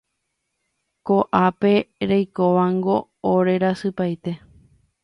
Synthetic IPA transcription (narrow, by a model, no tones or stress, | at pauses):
koʔape̞ɾejkoʋaŋɡo̞ː | ɾe̞ɾasɨpajt̪e̞